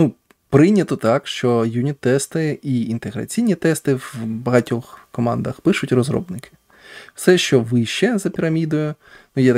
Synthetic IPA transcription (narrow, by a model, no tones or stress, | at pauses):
nu | pɾɪnʲɐt̪ɔt̪ɑkʃt͡ʃɔjunʲit̪ːɛst̪ɪiint̪eɦɾɐ̰t͡sʲijnʲit̪ɛst̪ɪwbɐɦɐtʲɔxkɔmɑnd̪ɐxpɪʃʊtʲrɔzɾɔ̰bnɪkʰɪ̥ | wsɛʃt͡ʃɔʋɪʃt͡ʃɛzɐpʲiɾɐmʲid̪ɔjʊ | nujɛt̪